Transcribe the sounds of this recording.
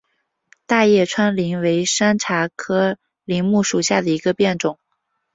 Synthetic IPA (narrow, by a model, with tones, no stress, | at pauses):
t̪a˥˧jɛ˥˩ʈ͡ʂʰwa˥nli˧˥ŋwe˧˥ɪʂa˥nʈ͡ʂʰa˧˥kʰɤ˥ | li˧˥ŋmu˥˩ʂu˨˩ɕja˥˩d̪ə˩i˧˥ɡə˧pjɛ˥˩nʈ͡ʂʊ˨˩˦ŋ